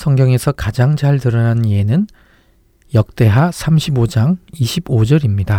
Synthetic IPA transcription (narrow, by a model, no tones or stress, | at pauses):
sʰʌŋɡjʌŋe̞sʰʌkad͡ʑaŋd͡ʑaɭtɯɾʌnanie̞nɯn | jʌk̚t͈e̞ɦasʰamɕʰibod͡ʑaŋiɕʰibod͡ʑʌɾimɲida